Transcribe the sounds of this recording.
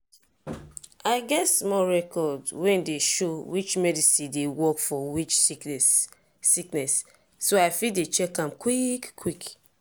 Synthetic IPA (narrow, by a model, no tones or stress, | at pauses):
aɪɡɛtsmɔɹɛkɔdwɛ̃ndeʃowit͡ʃmɛdisĩndewɔkfɔwit͡ʃ | siknɛsː | oaɪfidet͡ʃɛkãmkwikkʰːwik